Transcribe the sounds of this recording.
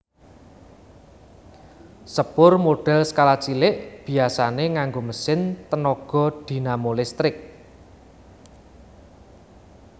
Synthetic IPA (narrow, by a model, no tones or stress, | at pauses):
səb̥ʊrmoɖ̥ɛ̤lsə̥kalat͡ʃilɪʔb̥i̤asaneŋaŋɡoməsɪnt̪ənɔɡ̥ɔ̤d̪̥i̤namolɪst̪ɾɪk̚